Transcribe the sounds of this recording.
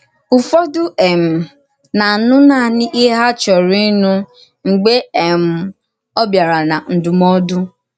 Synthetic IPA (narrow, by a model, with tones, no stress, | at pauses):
ʊ˨fɔ˦dʊ˦ʔe˨m̩˨ | na˨nʊ˦na˦˨nɪ˦ʔɪ˦ɦa˦t͡ʃɔ˨ɾi˦nu˦ | ŋ͡m̩˨ɡ͡be˦e˨m̩˦ | ɔ˦bja˨ɾa˨na˨n̩˨dʊ˨mɔ˦dʊ˦